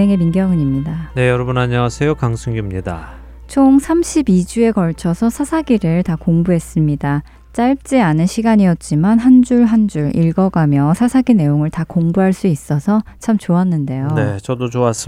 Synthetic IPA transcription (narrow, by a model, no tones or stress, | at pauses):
eŋe̞minɡjʌŋɯɲimɲidane̞jʌɾʌbɯnaɲasʰejokaŋsʰuŋɡimɲida̰ | t͡ɕʰoŋsʰamɕʰibid͡ʑue̞ɡʌɭt͡ɕʰʌsʰʌsʰasʰaɡiɾɯɭtakoŋbuɦe̞s͈ɯmɲida | t͡ɕ͈aɭp̚t͡ɕ͈ianɯnɕʰiɡaɲijʌt̚t͡ɕ͈imanɦand͡ʑuɭɦand͡ʑuɾiɭɡʌɡamjʌsʰasʰaɡine̞joŋɯɭtakoŋbuɦaɭs͈uis͈ʌsʰʌt͡ɕʰamt͡ɕoanːɯnde̞jonet͡ɕʌdot͡ɕoas͈